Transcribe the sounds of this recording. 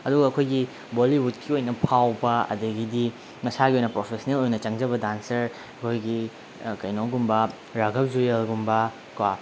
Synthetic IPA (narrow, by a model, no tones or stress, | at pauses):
ɐduɡɐːkʰojɡi | boliwut̚kiojnɐpʰawbɐɐ̰dɐɡidi | mɐsaɡiojnɐpɾopʰesɐnelojnɐt͡ʃɐŋd͡ʒɐβɐdansɐɾ | ɐkʰojɡi | kɐjnoɡumbɐ | ɾaɡɐp̚zujɐlɡumbɐ | kwa